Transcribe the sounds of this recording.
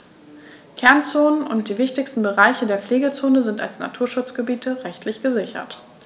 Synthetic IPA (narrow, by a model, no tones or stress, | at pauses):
kʰɛɐnt͡soːnənʔʊntd̥iːvɪçtɪçstn̩bəʁaɪçədeːɐfleːɡət͡soːnəzɪnta̰lsna̰tʰuːɐʃʊt͡sɡ̥əbiːtʰəʁɛçtʰlɪçɡ̥əzɪçɐ̰t